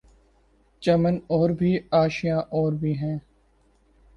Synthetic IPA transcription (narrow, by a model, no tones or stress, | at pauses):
t͡ʃəmənoːɾbʱiːaːʃijãːʔoːɾbʱiːɦɛ̃ː